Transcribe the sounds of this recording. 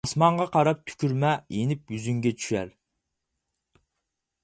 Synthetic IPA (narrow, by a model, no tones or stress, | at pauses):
smɑɴʁɑqʰɑɾɑp̚t̪ʰy̥kʲʰyɾmɛjenɪp̚jyzyŋɡʲɛt͡ʃʰyʃɛ̰ɾ